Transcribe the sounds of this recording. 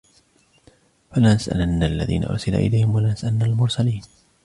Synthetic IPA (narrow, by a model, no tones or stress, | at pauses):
falanasʔa̰lanːalːa̰ðḭːna̰ʔʊ̰ɾˤsɪla̰ːʔɪ̰lajhɪmwalanasʔalanːalmʊɾˤsaliːn